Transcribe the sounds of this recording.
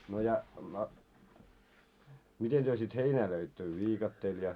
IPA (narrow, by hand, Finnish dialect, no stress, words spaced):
no jɑ no miten tyø sit heinæː løitːø ʋiːkɑtːeːl jɑ